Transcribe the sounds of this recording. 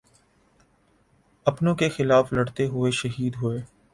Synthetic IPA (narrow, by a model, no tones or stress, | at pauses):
ɐpnõkexɪlaːflɐɽt̪eɦʊeʃɐɦiːd̪ɦʊeː